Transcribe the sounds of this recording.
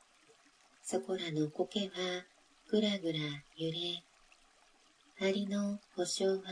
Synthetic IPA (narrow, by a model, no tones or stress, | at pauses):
soko̞ɾano̞ko̞ke̞βa | kɯ̟ɾaɡɯ̟ɾajɯ̟ɾe | aɾʲinohoɕoːβa